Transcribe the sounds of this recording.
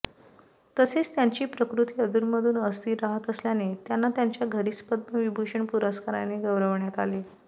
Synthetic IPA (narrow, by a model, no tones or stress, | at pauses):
t̪əset͡st̪jaɲt͡ɕiːpɾəkɾut̪iːəd̪uɾməd̪ʱuːnəst̪iːɾaɦət̪əsljanet̪janːat̪jaɲt͡ɕjaɡʱəɾit͡spəd̪̚məʋibʱuʂəɳpuɾəskaɾaneɡəʋɾəʋɳjat̪ale